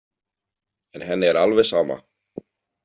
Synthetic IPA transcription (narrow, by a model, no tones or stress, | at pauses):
ɛnɦɛnːɪɛɾalvɛsaːma̰